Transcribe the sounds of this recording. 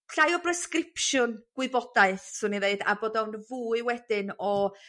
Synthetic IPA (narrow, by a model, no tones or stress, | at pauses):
ɬajɔbrɛskrɪpʃʊnɡ̥wɪɨbɔd̥aɨθsʊniðeɨda̰boːdɔwnvuːɨwɛd̥ɪnɔ